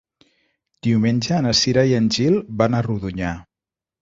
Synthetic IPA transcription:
d̪̥iwmenʲʒəːnəsiɾajənʲʒilˠbanəruðuɲa

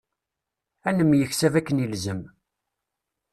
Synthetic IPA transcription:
ænəmːjəçsævækːənəlzəm

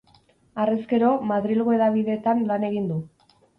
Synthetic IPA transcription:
areske̞ɾo̞maðɾilɣoe̞ðaβiðe̞ːt̪anlane̞ɣ̞ind̪u

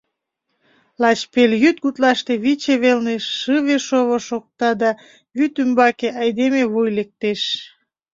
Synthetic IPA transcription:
lɑt͡ɕpeljyt̪̚ɡut̪lɑʃt̪eβit͡ɕeβelneʃːɯβeʃoβoʃok̚t̪ɑd̪ɑ | βyt̪ymbɑkeʔɑjd̪emeβujlek̚t̪eʃ

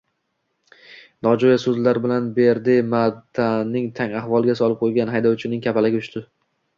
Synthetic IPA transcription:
nɒd͡ʒojasɵzlaɾbɪlanbeɾd̪ɪmat̪ʰanːɪŋt̪ʰaŋahvɒlˠɡʲasɒlɪp̚qʰojɡʲanɦajd̪ɒwt͡ʃʰɪnɪŋkʰʲapalɪɡʲɪʊʃt̪ɪ

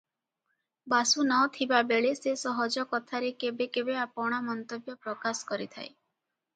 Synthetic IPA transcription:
basunɔt̪ʰibabeɭesesɔɦɔd͡ʒɔkɔt̪ʰaɾekebekebeapɔɽ̃amɔnt̪objɔpɾɔkasɔ̥kɔɾit̪ʰa̰j̰

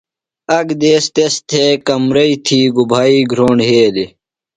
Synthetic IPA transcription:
ɐɡd̪eːst̪est̪ʰekɐmɾɐit̪ʰiːɡubʱaːiːɡʱɾoːɳɖɦeːli

